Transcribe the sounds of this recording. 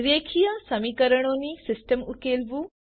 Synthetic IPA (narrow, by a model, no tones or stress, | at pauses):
ɾeːkʰijɐsɐmiːkəɾəɽ̃oːnisɪsʈəmukeːlʋu